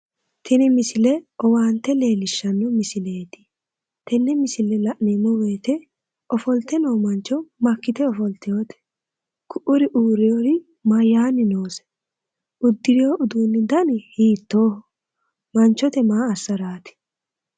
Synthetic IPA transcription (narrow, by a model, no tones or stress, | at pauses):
t̪ʰɛnɪmɪsɪlɛɔwaːnt̪ːɛle̞ːlɪʃːɐnːɔmɪsɪle̞ːt̪ɪ̥ | t̪ɛnːɛmɪsɪlɛlɐʔneːmːɔweːt̪ɛ | ɔfɔlt̪ːɛnoːmɐnt͡ʃːɔmɐkːɪt̪ɛɔfɔlt̪ɪjoːt̪ɛ̥ | kʰʊʔʊɾɪʔuːɾɪjoɾɪ | mɐjːaːnɪnoːsɛ̥ | ʊd̪ːɪɾɪjoʔʊd̪uːnːɪd̪ɐnɪhiːt̪ːo̞ːhɔ | mɐnt͡ʃːɔt̪ɛmaːɐsːɐɾaːt̪ɪ̥